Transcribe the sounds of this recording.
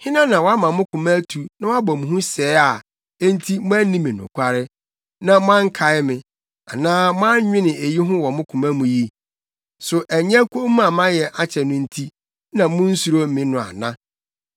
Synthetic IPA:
hɪ̃˦nã˦nã˨wɔ˦a˦mã˨mʊ̃˦kʰʊ̃˨mæ˦tʰu˨nã˦wɔ˦a˦bɔ˨mũ˨ɦũ˦sɛː˨˦a˨ | e˦n̩˦tʰi˦mʊ̃˦æ˦nĩ˦mĩ˨nʊ̰̃˨kʷʰa˦ɾɪ˦ | nã˦mʊ̃˦ã˦ŋ˦kʰa˨ɪ˦mɪ̃˨ | a˨nãː˦mʊ̃˦ã˦ɲ˦ɲᶣɪ̃˦nɪ̃˨e˨ji˦ɦʊ̃˦wɔ˨mʊ̃˦kʰʊ̃˨mæ̃˦mũ˨ji˦ | sʊ˨ʔæ˨ɲ˦ɛ̃˦kʷʰo˦mũ˦a˨mã˦jɛ˨ʔa˦t͡ɕʰɛ˨nʊ̃˦n̩˦tʰi˦ | nã˨mʊ̃˦n̩˦su˨ɾo˦m̩˦mĩ˦nʊ̃˨a̰˨nã̰˦

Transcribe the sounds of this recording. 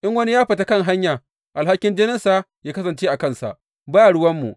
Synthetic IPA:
ʔɪ˦ŋwɐ˦ni˦jaː˦ɸɐ˨ta˦kɐ˦˨ŋɦa˦ɲjaː˨ | ʔa˨lɦa˦kʲːɪ˦nd͡ʒeː˦nɪ˦nsaː˦ | jaː˦kɐ˦sɐ˨nt͡ʃeː˦ʔa˨kɐ˦nsa̰˨ʔ | baː˦ja˨ɽʊ˦wɐ˦mːṵ˨ʔ

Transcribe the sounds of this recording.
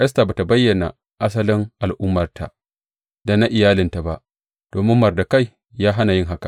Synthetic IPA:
ʔɛ˦s̬ta˨ba˨ta˨bɐ˦jːɐ˨na̰˨ | ʔa˦s̬ɐ˦lɪ˦ŋʔa˨lʔʊ˦mːɐ˨rta̰˨ | da˨na˦ʔɪ˨jaː˦lɪ˨nta˨ba˦ʔ | d̥oː˨mɪ˦mːɐ˨rda˨ka˦˨j | jaː˦ɦa˦na˨jɪ˦ŋɦa˦ka˨

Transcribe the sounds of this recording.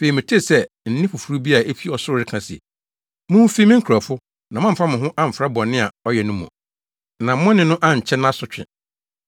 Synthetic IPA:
fe˨i˨mɪ̃˨tʰe˦˨sɛ˦ | n̩˦nɪ̃˦fʊ˨fu˨ɾu˦bi˦a˨a˨e˦fi˦ɔ˨sʊ˦ɾɪ˦kʰã˨sɪ˨ḛ˨ | mʊ̃˦fi˦mɪ̃˦ŋ̩˦kʰu˨ɾa˨fʊ˦ | nã˨mã˦m̩˨fa˦mɪ̃˨ɦʊ̃˦ʔa˦m̩˨fɾa˦bɔ̃˨nːɪ̃˦a˨ɔ˦jɛ˨nʊ̃˦mũ˨ | nã˨mʊ̃˦nɪ̃˨nʊ̃˦ʔã˦˨ɲ̩˨t͡ɕʰɛ˦ñ˦a˦sʊ˨t͡ɕᶣɪ̰̃˨

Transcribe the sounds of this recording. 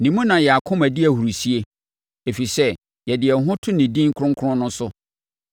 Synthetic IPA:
nĩ˨mũ˦nã˨jɛ˨a˨kʰʊ̃˦mæ˨di˦æ˨hu˨ɾu˨si˦e˦ | e˨fi˨sɛ˦ | jɛ˨dɪ˨ɛ˨ɦʊ̃˦tʰʊ˦nɪ̃˨dĩ˦ŋ˦kʰʊ̃˦ŋkʰɾʊ̃˦nʊ̃˦sʊ˦

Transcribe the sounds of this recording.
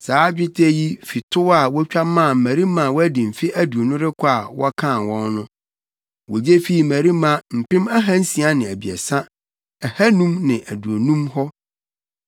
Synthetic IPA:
saː˨˦d͡ʑᶣɪ˦tʰe˦ji˦fi˨tʰʊ˦wa˦˨wɔ˦t͡ɕᶣa˦mːã˦˨m̩˨mæ̃˨ɾi˦mã˨wɔ˦æ˦dĩ˨m̩˨fɪ˦ʔæ˦du˨o˨nʊ̃˦ɾɪ˦kʰɔ˦a˨wɔ˦kʰã˦˨nwɔ̃˦nnʊ̃˦ | wo˨d͡ʑe˦fi˦i˨mæ̃˨ɾi˦mã˨m̩˨pɪ̃˦mæ˦ɦã˦n̩˦si˨a˦nɪ̃˨æ˨bi˨ɛ̰˨sã˦ | ɛ˨hæ˦nũ˦mnɪ̃˨ʔæ˨du˨o˨nũ˦mhɔ˦

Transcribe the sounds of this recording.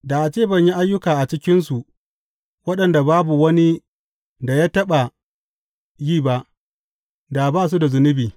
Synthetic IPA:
da˨ʔa˨t͡ʃeː˦˨bɐ˦ɲji˦ʔa˦jːʊ˦kaː˨ʔa˨t͡ʃɪ˦kʲɪ˦nsu˨ | wɐ˦ɗɐ˨nda˨baː˦bu˨wɐ˦ni˦ | da˨ja˦tɐ˦ɓa˨ | jiː˦˨ba˦ʔ | da˨baː˦˨s̬u˦da˨zʊ˨nɪ˦biː˨

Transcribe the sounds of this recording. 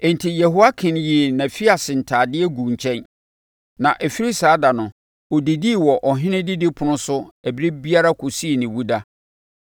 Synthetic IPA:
ɛ̃˨n˨tʰi˨jɛ˨ɦo˦a˦kʰɪ̃˨nji˨næ̃˨fi˦a˨sɪ˨n̩˨tʰaː˨dɪ˦ɛ˦ɡũ˨ɲ˨t͡ɕʰɛ̃˦n | nã˨ʔɛ˨fi˦ɾi˦saː˨˦da˨nʊ̃˨ | ɔ˨di˨di˦˨wɔ˨ʔɔ˨ɦɪ̃˦nɪ̃˦di˦di˦pʰʊ̃˦nʊ̃˦sʊ˦æ˨bi˦ɾi˦bi˦a˦ɾa˦kʰo˨si˦e˨nɪ̃˨wu˦da˦

